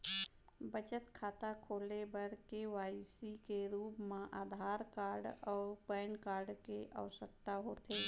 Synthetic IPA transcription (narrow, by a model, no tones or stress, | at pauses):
bət͡ʃət̪kʰaːt̪akʰoːlebəɾkewaːisikeɾuːpmãʔaːd̪ʱaːɾkaːɾɖɔːɾpəːnkaːɾɖkeʔa̰ʋəsək̚t̪aɦoːt̪eː